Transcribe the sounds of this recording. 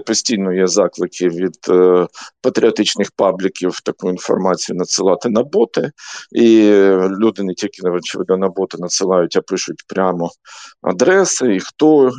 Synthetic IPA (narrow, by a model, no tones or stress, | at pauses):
pɔsʲtʲijnɔjɛzɑklˠɪkʰɪʋʲid̪̥ | pɐt̪ɾʲiɔt̪ɪt͡ʃnɪxpɑblʲɪkʲiwt̪ɐkuinfɔ̰rmɑt͡sʲijʊnɐt̪sɪlˠɑt̪ɪnɐbɔt̪ɪilʲud̪ɪnetʲilʲkʲɪnɔt͡ʃɪʋɪ̰d̪nɐnɐbɔt̪ɪnɐt̪sɪlˠɑjʊtʲɐpɪʃʊt̚ʲpɾʲamɔɐ̰d̪ɾɛsɪixt̪ɔ